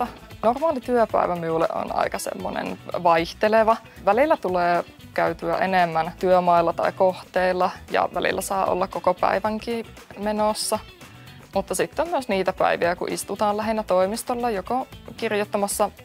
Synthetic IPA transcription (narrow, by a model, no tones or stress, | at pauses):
ɑ | normɑːlit̪yøpæ̰iʋæmiulḛʔo̰nɑ̰ikɑsḛmːo̰nḛnʋɑiht̪eleʋɑ | ʋælilːæt̪uleː | kæyt̪yæ̰ʔenemːænt̪yømɑilːɑt̪ɑ̰ikoht̪eilːɑjɑ̰ʋæ̰lḭlːæsɑːʔo̰lːɑkkokopæ̰iʋæŋkiː | menosːɑ | mut̪ːɑsit̪ːommyøsniːt̪æpæ̰iʋiækṵʔḭst̪ut̪ɑːlæɦinːæt̪oimist̪olːɑjokokirjot̪ːɑmɑsːɑ